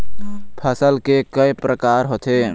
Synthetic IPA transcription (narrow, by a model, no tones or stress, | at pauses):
pʰəsəlkekəipɾəkaːɾɦot̪eː